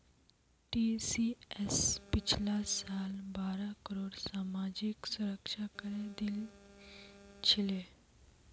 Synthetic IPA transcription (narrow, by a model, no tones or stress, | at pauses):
ʈisiespit͡ʃʰlasaːlbaːɾakəɾoːɽsaːmad͡ʑiksuɾəkʃakəɾed̪il | t͡ʃʰile